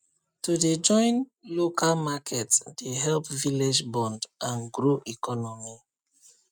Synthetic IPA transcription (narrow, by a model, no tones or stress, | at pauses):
tuded͡ʒɔ̃ɪ̃nlokʰalmakʰɛtd̥eɦɛlpviled͡ʒbɔ̃ndãnɡɹoʔikɔnɔmi